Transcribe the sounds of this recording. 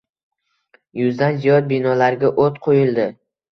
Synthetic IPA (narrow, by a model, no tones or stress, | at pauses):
jʊzd̪anzijɒd̪̚binɒlaɾɡʲaʔot̪qʰojɪld̪ɪ